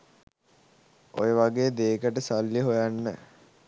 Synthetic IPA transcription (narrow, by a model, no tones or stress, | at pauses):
o̰jəʋaɡeːd̪eːkəʈəsalːəɦojanːə̰